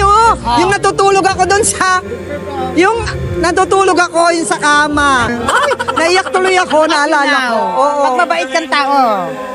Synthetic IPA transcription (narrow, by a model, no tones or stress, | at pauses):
ojʊŋnɐt̪ut̪uːloɡɐko̞d̪onʃa | jʊŋnɐt̪uːt̪uːloɡɐko̞jʊŋsɐkaːmɐojnɐʔɪjak̚t̪ʊlojɐko̞nɐʔɐlaːlɐŋoʔoːʔoɐbabaʔɪt̪̚kɐŋt̪aːʔo